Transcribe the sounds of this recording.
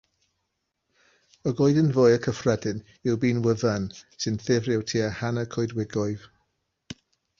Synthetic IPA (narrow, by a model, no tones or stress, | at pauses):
ɔɡojdənvoːjəkʰəfrɛdɨn | ɪwbiːnwəvansɨnθɪvrɪwtʰiːəhanəkʰoɨdwɪɡɔɨv